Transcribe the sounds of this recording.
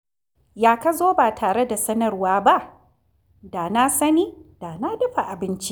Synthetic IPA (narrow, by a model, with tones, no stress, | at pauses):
jaː˨ka˦zoː˦baː˨tʰaː˨ɽe˦da˨sɐ˦nɐ˨rwaː˦ba˦ʔ | da˨na˦sɐ˦niː˦d̥a˨na˦dɐ˦ɸa˨ʔa˨bɪ˦nt͡ʃi˦